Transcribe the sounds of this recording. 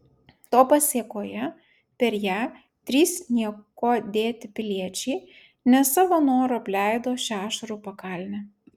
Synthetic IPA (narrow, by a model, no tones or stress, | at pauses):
t̪oːpɐsʲiɛkoːjɛ | pʲɛɾjæː | t̪ʲɾʲiːsnʲiɛkoːd̪ʲeːt̪ʲɪpʲɪlʲiɛt͡ʃʲɛɪ | nʲɛsɑːʋoːnoːɾoɐpʲlʲæˑɪd̪oːʃʲæːʃɐɾupɐkɑlʲnʲɛ